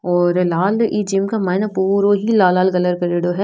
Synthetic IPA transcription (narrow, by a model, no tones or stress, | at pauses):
ɔːɾlaːliːd͡ʒɪmkamaːɪnapuːɾoɦilaːlaːlɡɐləɾkɐɾeːɽoɦɛ